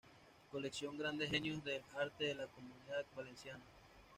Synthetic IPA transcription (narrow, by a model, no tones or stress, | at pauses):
koleksjo̞ŋɡɾand̪eɦenjoðelaɾt̪eðelakomuniðabalensjana